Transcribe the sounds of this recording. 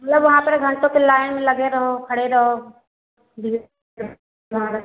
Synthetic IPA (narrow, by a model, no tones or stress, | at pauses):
mɐt̪ləbʋɐɦãpɐɾɡʱɐ̃ɳʈõkelaːɪnmẽlɐɡeɾɐɦokʰɐɽeɾɐɦo | d̪iɡ | ãɾɐ